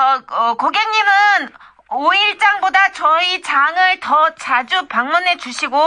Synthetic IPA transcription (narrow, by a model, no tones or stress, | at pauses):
ʌʌkoɡeŋɲimɯn | oiɭt͡ɕ͈aŋbodat͡ɕʌit͡ɕaŋɯɭtʌt͡ɕad͡ʑupaŋmunɦe̞d͡ʑuɕʰiɡo